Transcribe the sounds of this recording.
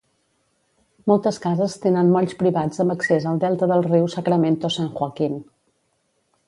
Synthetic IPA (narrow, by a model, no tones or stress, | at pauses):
mɔlˠt̪əskazəst̪enənmɔʎʲspɾiβad͡zəmbəksezəlˠd̪ɛlˠt̪əðəlˠriwsəkɾəment̪osaŋxwakin